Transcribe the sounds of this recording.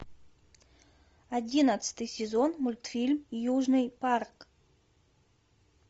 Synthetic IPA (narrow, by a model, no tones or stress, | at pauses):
adʲinət̪sɨ̥t̪ɨjsʲɪzonmulʲt̪fʲilʲmijuʐnɨjpark